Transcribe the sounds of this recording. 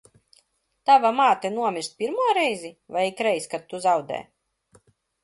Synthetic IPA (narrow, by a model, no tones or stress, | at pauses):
t̪avamaːt̪ɨnuɔmʲiɾst̪̚pʲiɾmuɔɾɛjzivajikɾɛjskat̪̚ːuzawd̪ɛ̰ː